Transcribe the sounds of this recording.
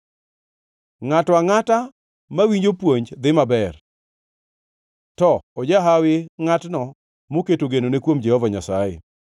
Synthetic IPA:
ŋatwaŋata | mawiɲd͡ʒopwoɲd͡ʒd̪ɪmabɛr | tɔod͡ʒaɦawɪŋatnɔ | moketoɡenonekwomd͡ʒɛhɔvaɲasajɪ̰

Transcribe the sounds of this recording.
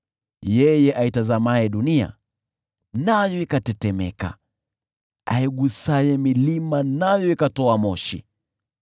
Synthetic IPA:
jɛjɛʔaitazamaɛɗunia̰ | najɔikatɛtɛmɛ̰ka̰ | a̰iɡusajɛmilimanajɔikatɔamɔʃḭ

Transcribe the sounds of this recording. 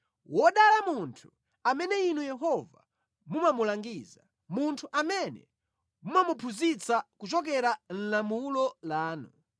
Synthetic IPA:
wɔɗalamuntʰu̥ | amɛnɛinujɛɦɔva | mumamulaŋɡiːza | muntʰuʔamɛnɛ̰ | mumamupʰuzit͡sakut͡ʃɔk̬ɛɾan̩lamulɔlaːnu

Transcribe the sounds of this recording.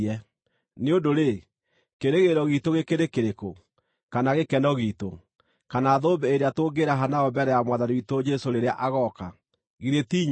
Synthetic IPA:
ɛ | neondoɾe | keɾeɣeɾɔɣitoɣekeɾekeɾeko | kanaɣekɛnɔɣito | kanaːðoːbɛeɾeatoːɡeɾaɦanaɔbɛɾɛjamwaðanwitod͡ʒɛsoɾeɾeaʔaɣɔka | ɣiɾetiːɲ

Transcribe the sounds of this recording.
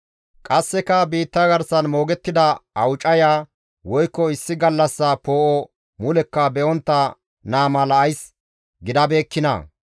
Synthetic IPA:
kʼɐsːɛkɐbiːt̪ːɐɡɐɾsɐnmo̞ːɡɛt̪ːɪd̪ɐɐwt͡ʃʼɐjaː | wɔjkːɔɪsːɪɡɐlːɐsːɐpo̞ːʔɔ | mʊlɛkːɐbɛʔɔnt̪ːɐ | naːmɐlɐʔɐjs | ɡɪd̪ɐbe̞ːkːɪnɐ̰

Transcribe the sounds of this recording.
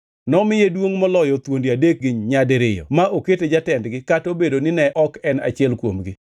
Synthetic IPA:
nɔmɪjedwoŋmɔlɔjɔt̪wondiadek̚ɡɪɲɲadɾɪjɔ̰maʔoketed͡ʒatɛndɡɪkatobedonɪnɛʔɔkɛna̰t͡ʃɪɛlkwomɡɪ

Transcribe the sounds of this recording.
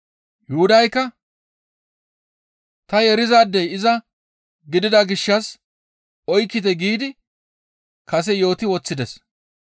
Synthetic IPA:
jʊhʊd̪ɐjkːɐ | t̪ɐjɛɾɪzaːd̪ːɛjɪzɐ | ɡɪd̪ɪd̪aɡɪʃːɐs | ɔjkːɪt̪ɛɡiːd̪ɪ | kɐs̬ɛjo̞ːt̪ɪwɔt͡sːɪd̪ɛs

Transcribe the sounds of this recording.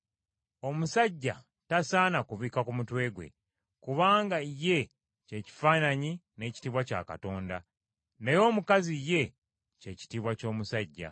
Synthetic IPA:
o̞musaɟːa | tasaːnakuβiːkakumutwe̞ːɡwe̞̰ | kuβaːŋɡaje̞ | ce̞ːci̥faːnaɲine̞ːci̥tiβwaca̰ka̰to̞ːnda | ne̞jo̞ːmukazije̞ | ce̞ːci̥tiβwaco̞ːmusaɟːa̰

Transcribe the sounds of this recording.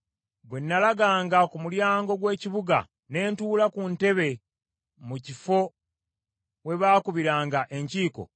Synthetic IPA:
bwe̞nːalaɡaːŋɡakumuljaːŋɡo̞ɡwe̞ːciβuɡa̰ | ne̞ːntuːlakunte̞βe̞ | mucifo̞ | we̞βaːkuβiɾaːŋɡaʔe̞ɲciːko̞̰

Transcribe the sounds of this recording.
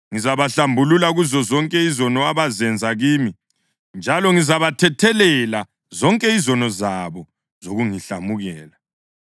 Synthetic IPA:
ŋizaβaɬambʱululaɣuzɔzɔŋkʼɛizɔnɔaβazɛnd͡zʱaɣiːmi | nd͡ʒʱalɔŋizaβatʰɛtʰɛlɛla | zɔŋkʼɛizɔnɔzaβɔ | zoɣuŋiɬamuɣɛːla

